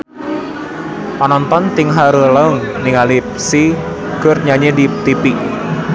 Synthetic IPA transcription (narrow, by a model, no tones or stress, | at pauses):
ʔɔnɔnt̪ɔnt̪ɪŋɦaɾəlaŋniŋalipsi | ɡ̥ər̚ɲaɲedit̪ipi